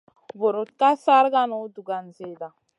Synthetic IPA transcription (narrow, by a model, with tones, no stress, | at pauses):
bo˨ɾo˨t̪̚ka˦sa˦ɾɡa˦no˦du˨ɡa˨nze˨da˨